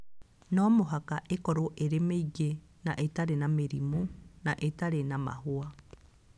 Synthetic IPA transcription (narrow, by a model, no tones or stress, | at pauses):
nɔmoɦakaʔekɔɾoʔeɾemeiɣe | naʔetaɾenameɾimunaʔetaɾenama̰hoa